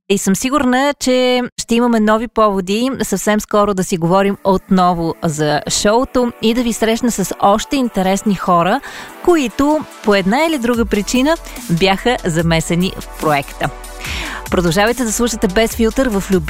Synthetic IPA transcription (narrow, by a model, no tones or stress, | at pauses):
isɤmsiɡʊɾnət͡ʃɛʃt̪ɛiməmɛnɔvipɔvod̪isəfsɛmskɔɾʊd̪ɐsiɡovɔɾimot̪nɔvozɐʃɔʊt̪oid̪ɐvisɾɛʃnəsɐsɔʃt̪ɛint̪ɛɾɛsnixɔɾəkoit̪opoɛd̪nailid̪ɾuɡəpɾit͡ʃinəbjaxəzɐmɛsɛnḭfpɾoɛkt̪ə | pɾod̪ɐʊʒavəjt̪ɛd̪ɐslˠuʃət̪ɛbɛsfilˠt̪əɾvəflʲub